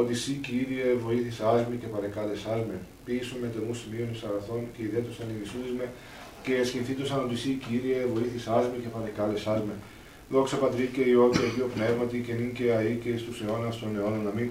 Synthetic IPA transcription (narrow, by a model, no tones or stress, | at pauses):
ot̪isiciiðievo̞iθiseɐzmice̞pɐɾekɐle̞sɐlmepisomet̪enusimioniksɐɣɐθo̞nceiðet̪osɐninisuðizme | ce̞scinθit̪osɐno̞t̪isiciiðievo̞iθiseɐzmice̞pɐɾekɐlesɐlme | ðo̞ksɐpɐt̪ɾiceio̞t̪iɐʝiopne̞vmɐt̪iceninceɐiceist̪use̞o̞nɐst̪o̞ne̞o̞nɐnɐmin